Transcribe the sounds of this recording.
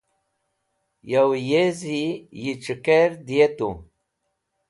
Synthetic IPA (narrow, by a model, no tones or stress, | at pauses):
jawjezijiʈ͡ʂɨkeɾd̪ijet̪ṵ